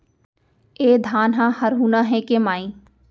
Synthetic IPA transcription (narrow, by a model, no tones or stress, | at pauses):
eːd̪ʱaːnɦãːhɐɾɦuːnaɦẽkemaːĩː